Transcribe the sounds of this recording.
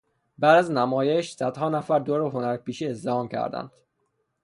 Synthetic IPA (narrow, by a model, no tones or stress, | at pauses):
bæːd̪æznæmɒːjeʃsæd̪̥hɒːnæfæɾd̪oɾeɦonæɾpiːʃiːezd̪ehɒːmcʰæ̰ɾd̪æ̰nd̪̥